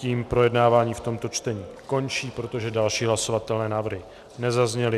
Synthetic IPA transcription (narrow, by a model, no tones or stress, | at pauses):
ciːmpɾo̞jɛdnaːvaːɲiːft̪o̞mt̪o̞t͡ʃt̪ɛɲiːko̞nt͡ʃiːpɾo̞t̪o̞ʒɛdalʃiːɦlaso̞vat̪ɛlnɛːnaːvr̩ɦɪ | nɛzazɲɛlɪ